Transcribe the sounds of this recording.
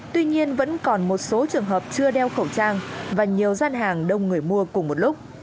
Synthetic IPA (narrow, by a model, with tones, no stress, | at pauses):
t̪wi˧ɲi˧ənvə̰˧˥nkɔ˨˩nmo˨˩t̚so˨˦t͡ɕɨ˨˩əŋɦəː˨˩p̚t͡ɕɨ˧əɗɛ˧wxə˧˩wt͡ɕaː˧ŋvaː˨˩ɲi˨˩əwzaː˧nɦaː˨˩ŋɗə˧wŋ͡mŋɨ˨˩əjmu˧əkʊ˨˩ŋ͡mmo˨˩t̚lʊ˦˥k͡p̚